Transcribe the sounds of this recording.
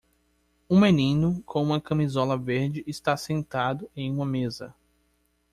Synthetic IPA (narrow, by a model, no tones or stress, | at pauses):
ũmenĩnʊkʰõũmɐkɐ̃mizɔlɐveɾd͡ʒɪʔːst̪asẽnt̪ad̪ʊẽj̃ũmɐmezɐ̰